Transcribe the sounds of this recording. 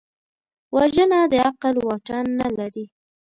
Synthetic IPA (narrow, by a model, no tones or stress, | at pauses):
waʒənad̪əaqalwɑʈanːalaɾi